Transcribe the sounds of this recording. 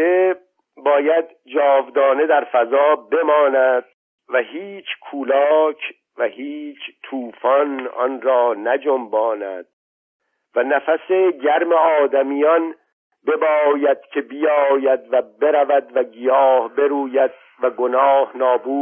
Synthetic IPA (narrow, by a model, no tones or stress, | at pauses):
e | bɒːjæd̪ | d͡ʒɒːvd̪ɒːne̞d̪æɾfæzɒːbe̞mɒːnæd̪̥̚ | væhiːt͡ʃʰkʰuːlɒːcʰ | væhiːt͡ʃʰt̪ʰuːfɒnɒ̰nɾɒːnæd͡ʒombɒːnæ̰d̪̥̚ | vænæfæseɟæɾmeɒːd̪æmijɒn | be̞bɒːjæd̪̥cʰe̞bijɒːjæd̪væbe̞ɾævæd̪væɡijɒːhbe̞ɾuːjæd̪̥̚ | væɡonɒːhnɒːbuː